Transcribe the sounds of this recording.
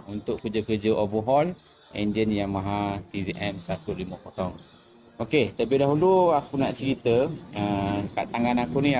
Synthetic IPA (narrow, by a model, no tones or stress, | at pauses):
unt̪ʊʔkəd͡ʒəkəd͡ʒəʔovəɦɔl | ḛɲd͡ʒənjaŋmãɦat̪iviʔɛmsat̪uliməkɔt̪ɔŋ | oket̪apidaɦuluakunaʔt͡ʃəɾit̪əəka̰ʔt̪aŋanakuni